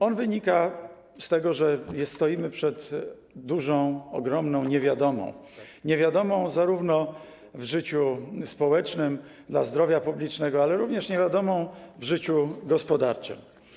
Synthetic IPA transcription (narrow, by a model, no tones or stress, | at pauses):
ɔnvɘɲika | st̪ɛɡɔʐɛjɛst̪ɔjimɘpʂɛd̪ː | uʐɔ̃w̃ɔɡɾɔmnɔ̃w̃ɲɛvʲjad̪ɔmɔ̰̃w̃ | ɲɛvʲjad̪ɔmɔ̃w̃zaɾuvnɔ | vʐɘt͡ɕuspɔwɛt͡ʂnɘmd̪la̰zd̪ɾɔvʲjapublʲit͡ʂnɛɡɔalɛɾuvɲɛʂɲɛvʲjad̪ɔmɔ̃w̃vʐɘt͡ɕuɡɔspɔd̪aɾt͡ʂɨ̰ɘ̰m